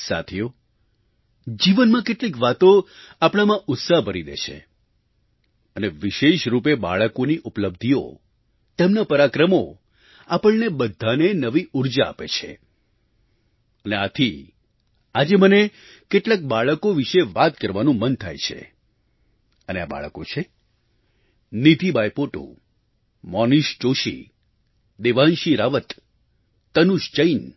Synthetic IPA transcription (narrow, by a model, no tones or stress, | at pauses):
sa̰t̪ʰijo | d͡ʒiʋənmãkeʈlikʋat̪oapɽ̃amãʔʊt̪saɦbʱəɾid̪ḛʃʰḛ | əneʋɪʃeʃɾup̬eba̰ɭəkoniʔupləb̚d̪ʱio̰ | t̪emnapəɾakɾəmo | apəɭnebəd̪ʱːanenəʋiʔuɾd͡ʒa̰ːpet͡ʃʰḛ | əneat̪ʰi | ad͡ʒeməne | keʈlak̚baɭəkoʋiʃeʋat̪kəɾʋanũmənt̪ʰa̰jt͡ʃʰḛ | ənea̰ba̰ɭəkot͡ʃʰe | nit̪ibajpoʈo̰ | mɔniʃt͡ʃoʃḭ | d̪eʋanʃiɾaʋət̪ː | ənuʃd͡ʒəin